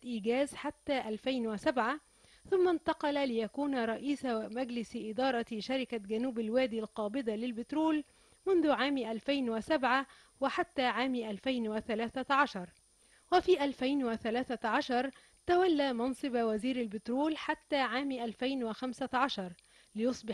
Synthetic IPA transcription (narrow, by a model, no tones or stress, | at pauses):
ʔiːɡæːzħat̪ːaːʔalfajnwɪsabʕa | θʊmːant̪ɑqɑllɪjakuːnaɾˤɑʔiːsamaɡlɪsʔɪd̪ɑːɾˤɑʃaɾɪkaɡanuːbalwæːd̪iːlqɑːbɪd̪alɪlbɪt̪ɾuːl | mʊnðʊʕaːmʔalfajnwɪsabʕa | wɪħat̪ːaːʕaːmʔalfajnwɪθalaːθaʕaʃɑɾˤ | wafiːʔalfajnwaθalæːθaʕɑʃɑɾˤ | t̪awalːaːmɑnsˤɨbwaziːɾalbɪt̪ɾuːlħat̪ːaːʕaːmʔalfajnwaxamsaʕaʃɑɾˤ | lɪjʊsˤbɪ